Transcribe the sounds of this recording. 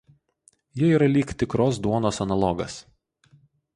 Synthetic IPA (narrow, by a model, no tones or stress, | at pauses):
jiiːɾɐlʲiːkt̪ʲɪkɾoːs̬d̪uɔnoːsɐnɐlˠɔɡɐs